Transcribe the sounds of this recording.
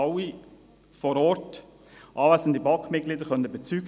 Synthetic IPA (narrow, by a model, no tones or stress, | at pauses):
ɑwi | fɔɾɔːɾt | ʔɑːvæːzən̩dibɑkmɪt̚ɡliːdəɾχœnəb̥ɛt͡syːɡ